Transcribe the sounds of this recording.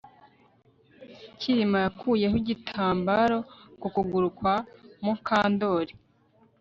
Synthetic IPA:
cʰiɾimajakʰuːje̞ɦuɟitʰaːmbaɾo̞kukuɡuɾukwamukaːndo̞ɾi

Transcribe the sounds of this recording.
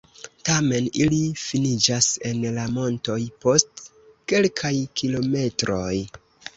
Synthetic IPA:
tame̞nilifinid͡ʒase̞nlamo̞nto̞jpo̞st | ke̞lkʰajkʰilo̞me̞tɾo̞j

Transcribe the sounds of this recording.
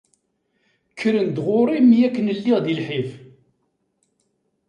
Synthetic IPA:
kʰːəɾənd̪ʁʊɾˤimjækːənəlːiʁd̪ilħif

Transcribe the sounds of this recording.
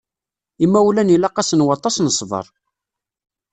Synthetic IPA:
imːæwulænilɑqɑsənwɑt̪ˤːɑsnəsˤvə̰ɾˤ

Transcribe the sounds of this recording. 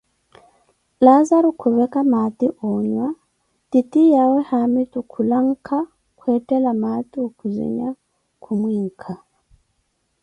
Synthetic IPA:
lazaɾukʰuβɛkamat̪iʔoɲwa | titijawehamitukʰulaŋ̩kʰa | kwetelamat̪iokuzḭɲa | kʰumwiːŋ̩kʰa

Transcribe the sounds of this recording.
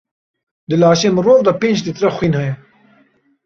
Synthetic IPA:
d̪ɨlaːʃeːmɨɾoːvd̪ɑpeːnd͡ʒd̪it̪ɾɐxwiːnhɐjɛ

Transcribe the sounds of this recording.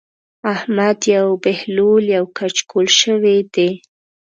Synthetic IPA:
ahmad̪jawbehloljawkat͡ʃkʰolʃəwed̪e

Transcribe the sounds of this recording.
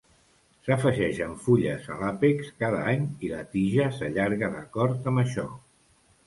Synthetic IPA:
səfəʒɛʒəɱfuʎəzə̰lapikskað̞əaɲilət̪iʒəsəʎaɾɣəðəkɔɾt̪əmbəʃɔ̰

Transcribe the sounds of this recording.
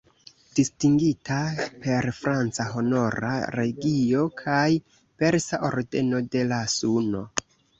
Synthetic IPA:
d̥istiŋɡitʰape̞ɾfɾant͡saɦo̞no̞ɾa̰ɾe̞ɡio̞kʰaj | pe̞ɾsaʔo̞ɾde̞no̞de̞lasuno̞

